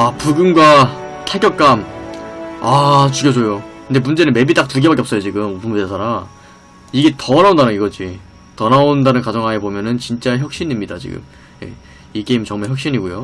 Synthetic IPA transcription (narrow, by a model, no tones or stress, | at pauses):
apuɡɯnɡwa | tʰak͈jʌk̚k͈am | at͡ɕuɡjʌsʰojokɯnde̞mund͡ʑe̞nɯnme̞bit͈ak̚tɯɭɡebak͈eps͈ʌjot͡ɕiɡɯmupʰumesʰaɾa | iɡe̞tʌʌnaondanɯŋiɡʌd͡ʑi | tʌnaondanɯnkad͡ʑʌŋɦaebomjʌnɯnt͡ɕint͡ɕ͈aeçjʌk̚ɕ͈inimɲidat͡ɕḭɡɯ̰m | je̞̰ | ik͈e̞imt͡ɕʌŋmaɭçjʌk̚ɕ͈iɲiɡujo